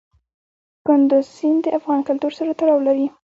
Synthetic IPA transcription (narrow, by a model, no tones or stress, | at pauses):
kʊnd̪ʊzsind̪əʔafɣɑnkʊlt̪uɾsaɾat̪aɽɑwlaɾi